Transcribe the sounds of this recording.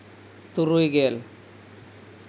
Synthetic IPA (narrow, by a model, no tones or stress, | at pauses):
t̪uɾujɡel